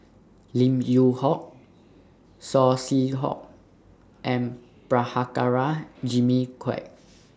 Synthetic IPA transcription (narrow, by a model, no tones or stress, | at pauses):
lĩmjuhɔk̚ | sɔsiɦɔ̰k̚ | ʔɛ̃n | pɹahakaɹad͡ʒimikʰwɛ̰k̚